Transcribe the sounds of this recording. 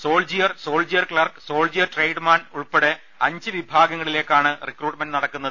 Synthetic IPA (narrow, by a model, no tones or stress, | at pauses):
so̞ːld͡ʑijɐrso̞ːld͡ʑijɐrkɭɐrksoːld͡ʑijɐrʈrejɖmaːnuɭpeɽe̞ | ɐɲd͡ʑɨʋibʱaːɡɐŋːɐɭile̞ːkːaːɳɨrikruːʈmenɖɨnɐɽɐkːunːɐðɨ